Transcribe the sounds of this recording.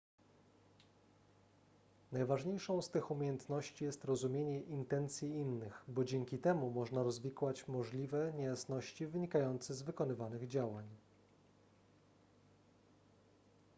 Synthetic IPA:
najvaʐɲejʂɔ̃w̃st̪ɘxumʲejɛnt̪nɔɕt͡ɕijɛst̪ɾɔzumʲjeɲɛʔint̪ɛnt̪sʲjiinːɘxbɔd͡ʑɛŋkʲit̪ɛmumɔʐnaɾɔzvʲikwat͡ɕmɔʐlʲivɛɲejasnɔɕt͡ɕivɘɲikajɔnt̪sɛzvɘkɔnɘvanɘɣd͡ʑawaɲ

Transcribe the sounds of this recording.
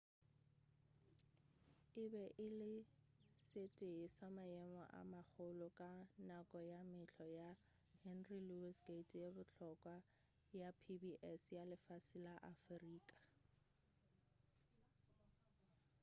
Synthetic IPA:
ɪbɛʔɪlɪ | sɪtʼesamaɛmɔ̰ʔa̰mak͡xʊlʊkʼanakʼɔjamɪɬʰɔja | hɛnrilusɡetʰʼjebʊt͡ɬʰɔkʼwa | japʰibiʔɛsjalɪfasɪlaʔafriːkʼḁ

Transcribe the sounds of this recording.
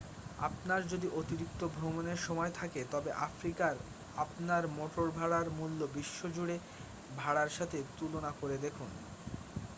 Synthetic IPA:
a̰pnaɾd͡ʑod̪iʔot̪iɾik̚t̪obʱɾomoneɾʃɔmɔet̪ʰaket̪ɔbeʔafɾikaɾ | apnaɾmɔʈoɾbʱaɽaɾmulːobiʃːod͡ʑuɽe | bʱaɽaɾʃat̪ʰet̪ulonakoɾed̪ekʰun

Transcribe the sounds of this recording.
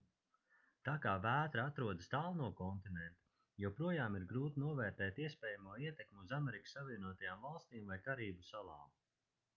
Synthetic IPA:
t̪aːkaːvæːt̪ɾaat̪ɾuɔd̪əst̪aːlˠnuɔkɔnt̪inɛnt̪u̥ | jɛwpɾuɔjaːmiɾɡɾuːt̪inuɔvɛːɾt̪ɛːt̪iɛspɛːjamuɔiɛt̪ɛkmuzamɛɾikə̥sːaviɛnuɔt̪ajaːmvalˠst̪iːmvajkaɾiːbusalˠɑ̰ːm

